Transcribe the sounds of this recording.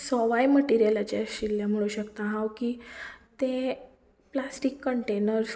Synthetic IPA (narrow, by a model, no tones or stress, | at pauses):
sɔʋajməʈiɾijelat͡ɕaɕilːjam̤əɽ̃uːɕəkt̪aɦãwkiːt̪ẽ | plasʈikːəɳʈenəɾ